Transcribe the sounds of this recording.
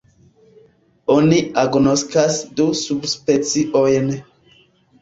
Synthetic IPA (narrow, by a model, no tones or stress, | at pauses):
oniaɡnoskasdusubspet͡siʔojn